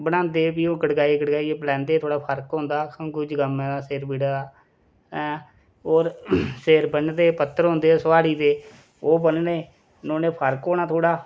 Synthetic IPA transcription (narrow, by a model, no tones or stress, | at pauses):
bəɽãːnd̪eːpiːõːkəɽɡaːikəɽɡaːieːplɛ̃ːnd̪eːt̪ʰoːɽaːpʰəɾkɦõːnd̪aːkʊd͡ʒɡəmɛːd̪aːseːɾbiːɽad̪aː | oːɾseːɾbənd̪eːpət̪ːəɾɦõːnd̪eːsəʋaːɽiːt̪eː | oːbənneː | nõːneːpʰəɾkoːnaːt̪ʰoːɽaː